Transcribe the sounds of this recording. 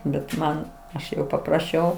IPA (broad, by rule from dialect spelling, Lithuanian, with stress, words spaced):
bʲɛt ˈmɐn ˈɐʃ jɛʊ pɐprɐˈʃʲɛʊ